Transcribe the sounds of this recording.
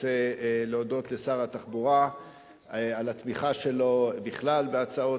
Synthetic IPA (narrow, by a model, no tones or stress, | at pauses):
eleodo̞t̪le̞saʁat̪aχbuʁa | alat̪miχaʃe̞lo̞biχlalbeat͡sao̞